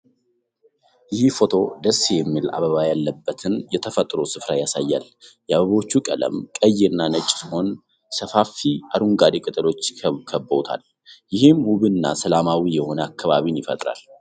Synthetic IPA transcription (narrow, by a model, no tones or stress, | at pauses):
jɪhfo̞t̪ʰo̞d̪əsːijɛmːila̰βəβajalːəbːət̪ʰɨnjɛt̪ʰəfət̪ʼɾosɨfɾajasajːa̰l | jɛaβəβo̞t͡ʃːukʼələ̰mkʼəjːɪɨnːanɨt͡ʃʼːsiho̞n | səfafiaɾuŋɡad̪ikʼɨt̪ʼɨlo̞t͡ʃːkʰəβkʰəbːəwt̪ʰa̰l | jɪhɨmwuβɨnːa̰səlamawijɛho̞nəakːaβaβinjɪfə̰t̪ʼɾa̰l